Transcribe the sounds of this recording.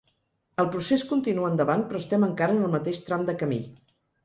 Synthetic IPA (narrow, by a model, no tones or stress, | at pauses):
əlˠpɾuseskunt̪inuənd̪əβanpɾɔəst̪ɛməŋkaɾənəlˠmət̪eʃt̪ɾamd̪əkəmḭ